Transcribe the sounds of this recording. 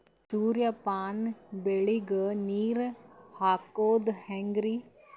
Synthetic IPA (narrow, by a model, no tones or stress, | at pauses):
suːɾjapaːnbeɭiɡəniːɾhaːkoːd̪hɛ̃ŋɡɾi